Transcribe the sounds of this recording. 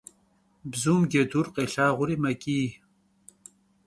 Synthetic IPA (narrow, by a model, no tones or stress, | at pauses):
bzumɡed̪uɾqeɬaːʁuɾimɐkiː